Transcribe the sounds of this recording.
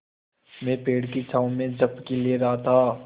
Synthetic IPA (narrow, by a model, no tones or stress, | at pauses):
mẽːpeːɽkit͡ʃʰaːũmẽd͡ʒɐbkelieɾaːat̪ʰaː